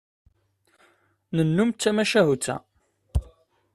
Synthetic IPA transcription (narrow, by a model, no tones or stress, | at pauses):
nənːumt̪t͡sːæmæʃæɦut͡sːæ̰